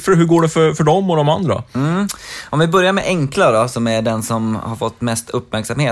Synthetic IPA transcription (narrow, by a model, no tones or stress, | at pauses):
fœɾɦɵɾɡoːɖɛfœɾfœɖɔmːɔd̪ɔmand̪ɾa̰m̩ːʔɔmvɪbœɾjaɾmɛʔɛŋklad̪ɔsɔmæɖɛnsɔmhaɾfɔt̪ːmɛst̪ʰɵpːmæɾksamheː